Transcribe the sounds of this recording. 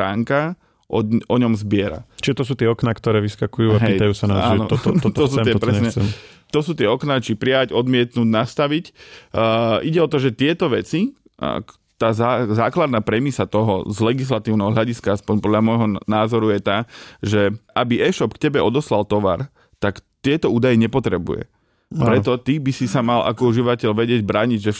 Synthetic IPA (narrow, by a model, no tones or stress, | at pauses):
aːŋka | ʔɔʔɔɲɔmzbɪɛɾa̰t͡ʃiʒɛt̪ɔs̬uːt̪ɪɛɔknakt̪ɔɾɛːʋiskakujuːaɦɛijt̪ajuːsanaaːnɔt̪ɔt̪t̪ɔsuːɛɪɛpɾɛsɲɛɛmt̪ɔsuːt̪ɪɛɔknat͡ʃipɾiaɟɔd̪mɪɛt̪nuːɟnast̪aʋicː | iɟɛɔt̪ɔʒɛt̪ɪɛt̪ɔʋɛt͡sḭ | t̪aːzazaːklad̪naːpɾɛmislat̪ɔɦɔ̰zlɛɡis̬lat̪iːʊnɛɦɔɦlʎaɟiskaaspɔɲpɔd̪ʎamɔjɦɔnaːzɔɾujɛt̪aːʒɛʔabiɛʃɔpktcɛbɛɔd̪ɔslalt̪ɔʋa̰ɾ | t̪akt̪ɪɛt̪ɔuːd̪ajɛɲɛpɔt̪ɾɛbṵjɛ̰ | pɾɛt̪ɔt̪ibisisamala̰kɔuʒiʋacɛʎʋɛɟɪɛɟbɾaːɲiɟʒɛ